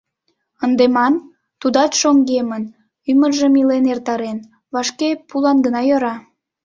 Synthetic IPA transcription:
ənd̪emɑn | t̪ud̪ɑtʃoŋɡemən | ymərʒəmilenert̪ɑɾen | βɑʃkepulɑnɡənɑjɤ̆ɾɑ

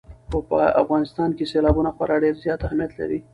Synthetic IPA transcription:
xopə̰a̰fɣɑnɪst̪ɑnkeselɑbunaxwaɾʔɑɖeɾzjɑt̪ahmijat̪la̰ɾi

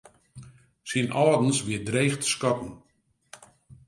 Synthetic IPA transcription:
sinʔɔːdn̩sʋɪədrejxtə̥skɔtn̩

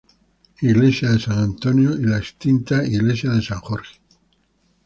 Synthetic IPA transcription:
iɣlesjaðesaŋant̪onjoilaest̪int̪aiɣlesjaðesaŋxoɾxe̥

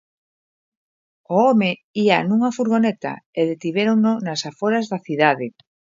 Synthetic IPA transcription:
oomeianũŋafuɾɣonet̪a̰eðet̪iβeɾoŋnonasafoɾazðaθiðaðe

